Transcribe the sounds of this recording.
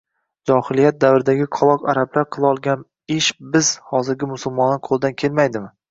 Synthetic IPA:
d͡ʒɒhɪlijat̪̚d̪avɾɪd̪aɡʲɪqʰɒlˠɒqaɾablaɾqʰɨlˠaɒlˠɡʲan | ɪʃbɪz̥hɒzɪɾɡʲɪmʊsʊlˠmɒnːɪqʰolˠd̪ankʲʰe̞lmajd̪ɪmɪ

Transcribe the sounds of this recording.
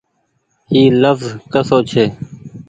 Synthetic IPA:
iːləfzkəsoːt͡ʃʰeː

